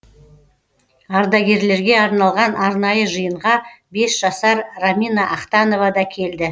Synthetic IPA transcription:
ɑɾd̪ɑɡʲe̞ɾle̞ɾɡʲe̞ɑɾnɑlˠʁɑnʔɑɾnɑjəʒəjəɴʁɑbe̞sʒ̥ɑsɑɾramʲinɑʔɑqt̪ɑno̞vɑd̪ɑkʲʰe̞ld̪ɪ

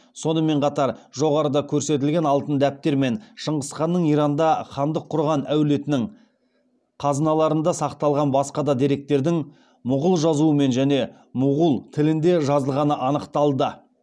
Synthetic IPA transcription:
so̞nəme̞ɴqʰɑt̪ɑɾʒo̞ʁɑɾəd̪ɑkʲʰɵɾse̞t̪̬ɪlɡʲe̞nɑlˠt̪ənd̪æp̚t̪e̞ɾme̞nʃəɴʁəsqɑnːəɴijɾɑnd̪ɑχɑnd̪əqʰːʊɾʁɑnæwle̞t̪ɪnɪŋ | qʰɑznɑlˠɑɾənd̪ɑsɑqt̪ɑlˠʁɑnbɑsqɑd̪ɑd̪iɾe̞k̚t̪e̞ɾd̪ɪŋ | mʊʁəlˠʒɑzuəme̞nʒæne̞ | mʊʁəlˠt̪ʰɪlɪnd̪e̞ʒɑzəlˠʁɑnəʔɑnəqt̪ɑlˠd̪ə

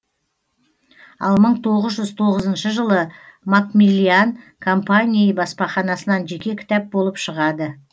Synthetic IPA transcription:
ɑ̰lˠməɴt̪ʰo̞ʁəzʒʏz̥t̪ʰo̞ʁəzənʃəʒəlˠəmakmilʲiankʰompanʲijəbɑspɑχɑnɑsənɑnʒe̞kʲe̞kʲʰɪ̥t̪ɑp̚bo̞lˠəpʃəʁɑd̪ə

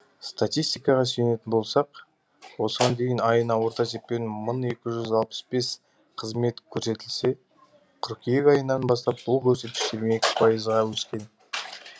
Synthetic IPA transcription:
st̪at̪ijst̪ijkɑʁɑsejne̞t̪ɪnbo̞lˠsɑq | wo̞səʁɑnd̪e̞jɪnɑjənɑwo̞ɾt̪ɑt̪ʰeppːenməɴe̞kʲɪʒʏzɑlˠpə̥sbe̞s | qʰəzme̞t̪kʲʰɵɾse̞t̪ɪlse̞ | qʰʏɾkʲʰijekɑjənɑnbɑst̪ɑp̚bʊlˠkʲʰɵɾse̞t̪̚kʲɪ̥ʃt̪eɾmeekʲɪ̥pʰɑjəzʁɑwɵskʲe̞n

